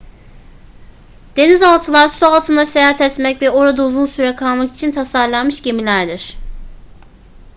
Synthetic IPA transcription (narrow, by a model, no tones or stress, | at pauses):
d̪̥e̞nizalˠt̪ʰɯlˠaɾsualˠt̪ʰɯnd̪asejaɦat̪ʰɛt̪mɛcvɛo̞ɾad̪auzunsyɾɛkʰalˠmaki̥t͡ʃʰint̪ʰasaɾlˠanmɯʃɟemilʲæɾd̪iɾ̥